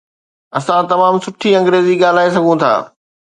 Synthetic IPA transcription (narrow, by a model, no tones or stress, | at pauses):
ɐsãt̪ɐmaːmsʊʈʰiɐ̃ŋɡɾeːziɠaːl̤aːesɐɡʱõt̪ʰa̰ː